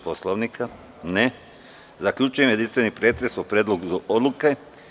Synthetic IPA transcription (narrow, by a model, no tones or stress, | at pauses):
posloʋnikʰa | ne | zakʎʲut͡ʃujemje̞d̪inst̪ʋe̞nipɾe̞ːt̪ɾesopɾeːd̪lˠoɡuzaʔod̪luke̞